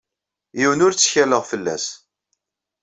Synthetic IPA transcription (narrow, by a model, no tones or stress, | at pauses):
jiwənʊɾt͡sːçæləʁfəlːæ̰s